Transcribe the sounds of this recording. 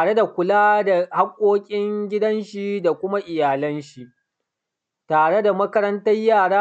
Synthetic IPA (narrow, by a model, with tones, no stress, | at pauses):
ɽe˦da˨kʷʊ˨laː˦da˨ha˦kʷʼːoː˦kʲʼɪ˦ŋɡʲɪ˦dɐ˦nʃi˦da˨kʷʊ˦ma˦ʔɪ˨jaː˨lɐ˦nʃi˨ʔ | taː˨ɽe˦da˨mɐ˦kɐ˦ɾɐ˦ntɐ˦jːaː˦˨ɽaː˦